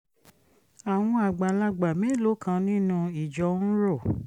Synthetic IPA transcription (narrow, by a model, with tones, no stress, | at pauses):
a˨w̃ɔ̃˧a˨ɡ͡ba˨la˧ɡ͡ba˨mɛ̃˨˦lo˨˦kʰã˧nĩ˦nũ˧i˨d͡ʒɔ˨˧˦n̩˦ɾo˦˨